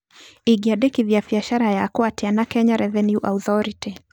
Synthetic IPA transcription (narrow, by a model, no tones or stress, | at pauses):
iɡiaɗɛkibiafiaʃaɾajaːkuatianakɛɲaɾɛvɛnjuʔa̰uθɔɾiti